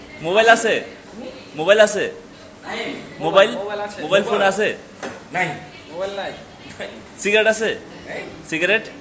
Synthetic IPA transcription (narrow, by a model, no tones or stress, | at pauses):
mobajlase | mobajlase | mobajlmobajlfʰonase | naj | siɡɾeʈase | siɡɾeʈ